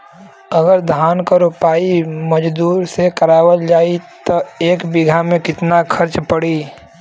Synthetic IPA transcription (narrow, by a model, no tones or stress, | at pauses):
əɡəɾd̪ʱaːnkaɾʊpaːimɐd͡ʒd̪uːɾsekəɾaːwəld͡ʒaːit̪oeːkbɪɡʱamẽkɪt̪nakʰɐɾt͡ʃpəɽiː